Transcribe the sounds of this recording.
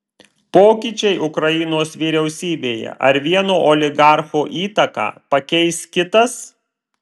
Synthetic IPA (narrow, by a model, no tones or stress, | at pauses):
poːkʲɪt͡ʃʲɛɪʔʊkɾɐjɪnoːsʋʲiːɾʲɛʊsʲiːbʲeːjɛ̰ʔɐ̰ɾʋʲiɛnoːʔoːlʲɪɡɑˑɾxoːʔiːt̪ɐkɑ̰ːpɐkʲɛɪskʲɪt̪ɐs